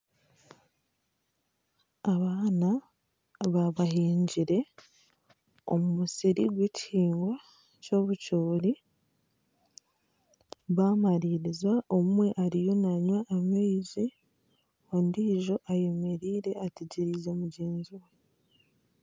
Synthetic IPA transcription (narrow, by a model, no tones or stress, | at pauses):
aβaːna | βaβahiːɲɟiɾe̞ | o̰mumusiɾḭɡweciːŋɡwa | co̞ːβucoːɾi | βamaɾiɾizwaʔomumwe̞ʔaɾijo̞naɲwaʔːmeizi | ondiʒo̞ʔaje̞me̞ɾiːɾe̞ateɟiɾizo̞muɟeːnziwe